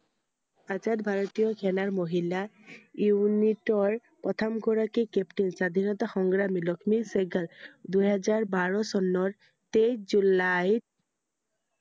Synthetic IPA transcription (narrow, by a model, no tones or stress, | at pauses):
ad͡ʑatbʱaɹot̪ijɔkʰɛnaɹmoɦila | junitɔɹ | pɔt̪ʰamɡʱɔɹakikɛpʈinsad̪ʱinɔt̪axɔŋɡɹamilɔkʰmikseɡald̪uɦɛzaɹbaɹɔsɔnɔɹ | t̪ejsd͡ʒulaj